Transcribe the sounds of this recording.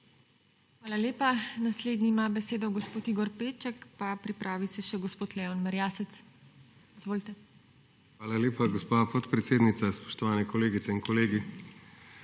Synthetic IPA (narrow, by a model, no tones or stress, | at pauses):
xʋaːlalʲjeːpanasleːd̪niːmabɛseːd̪ɔɡɔspoːt̪iːɡɔɾpeːt͡ʃɛkpapɾipɾʔaːʋisɛʃɛɡospoːt̪lɛɔnmaɾjaːsɛt̪s | izʋoːlit̪ɛ | xʋaːlaljeːpaɡospaːpɔt̪pɾɛt̪seːd̪nit̪saspɔ̥ʃt̪ɔʋaːnɛkɔleːɡit̪sɛinkɔleːɡi